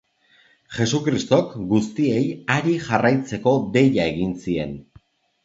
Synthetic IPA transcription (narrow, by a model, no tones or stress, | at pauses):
ʝe̞sukɾist̪o̞kɡust̪ie̞jaɾiʝarajt͡se̞ko̞d̪e̞ʎae̞ɣinsie̞̰n